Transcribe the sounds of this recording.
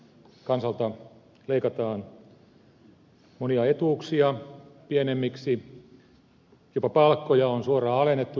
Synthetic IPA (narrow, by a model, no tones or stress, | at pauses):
kɑnsɑlt̪ɑ | leikɑt̪ɑːn | moniɑet̪uːksiɑpienemːiksi | jopɑpɑlkːojɑonsuorɑːɑlenːet̪ːu